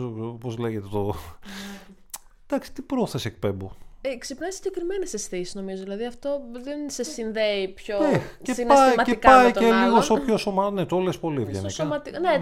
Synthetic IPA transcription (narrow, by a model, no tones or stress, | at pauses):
opozleʝet̪et̪o | d̪̥ɐksi̥t̪ipɾo̞θesek̚pe̞mbuksipnɐsiɟekɾimenesesθisi̥zno̞mizoðilɐðiɐft̪o̞ðensɐsinðeipçoecepɐiɐcepɐieliɣosst̪opçosomɐnet̪olespolivʝenesomɐt̪ine